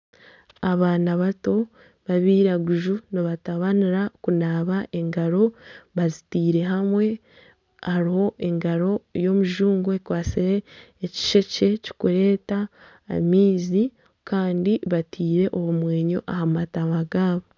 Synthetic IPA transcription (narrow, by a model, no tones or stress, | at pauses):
aβaːnaβato̞ | βaβiːɾaɡuʒuniβataβaniɾakunaːβaʔe̞ŋɡaɾo̞βazitiːɾe̞ɦamwe̞ | aɾiho̞ʔe̞ŋɡaɾo̞jo̞muʒuːŋɡoekwaːsiɾeː | ci̥ʃe̞ce̞ci̥kuɾe̞ːta̰ | miːzi | kaːndiβatʰiːɾe̞ʔoβumwe̞ːɲo̞̰ʔahamataβaɡaːβo